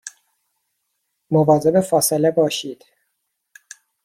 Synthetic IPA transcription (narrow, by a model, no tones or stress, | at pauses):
movɑːzebefɑːselɛbɒːʃiːd̪̥